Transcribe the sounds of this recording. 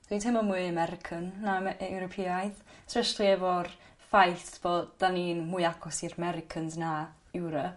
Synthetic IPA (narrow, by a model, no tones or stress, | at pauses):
d̥itʰɪmɔmuɨəmɛɾɪkʰənːaɛwɾɔpʰiajðsʰrɛʃtlˠiɛvɔrfajɬtb̥oːdd̥aninmʊɨjaɡʰɔsirəmɛɾɪkʰənzna | ɪwɾɔ